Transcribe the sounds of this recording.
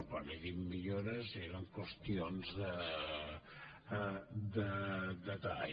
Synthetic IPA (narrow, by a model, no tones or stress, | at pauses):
paneðimːiʎoɾəzeɾəŋkwəst̪ionzðə | d̪əd̪ət̪a